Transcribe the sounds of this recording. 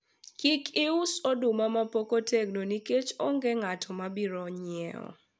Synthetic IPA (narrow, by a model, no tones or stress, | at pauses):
kikʰɪʊsodʊmamapokoteɡnoniket͡ʃoŋɡeŋatʰɔmabiɾɔɲɪɛ̰ɔ̰